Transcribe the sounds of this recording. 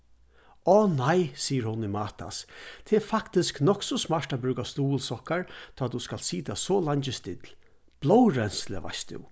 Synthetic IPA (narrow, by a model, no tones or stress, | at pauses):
ɔːnajsiːəɾhʊnːɪmaːt̪ʰa̰st̪ʰɛɛɾfakt̪ɪsknɔksɔsmaɹʈabɾʉːkast̪uːlsɔhkaɹt̪ʰɔːt̪ːuskalt̪siːt̪asɔlaɲt͡ʃɪst̪ɪt̪l | b̥lɔwɾɛnslɛ̰ʋa̰st̪ʊ̰w